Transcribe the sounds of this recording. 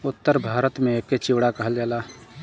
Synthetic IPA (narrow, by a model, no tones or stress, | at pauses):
ʊt̪ːəɾbʱaːɾət̪mẽeːk̚ket͡ʃɪwɽakɐɦəld͡ʒaːlaː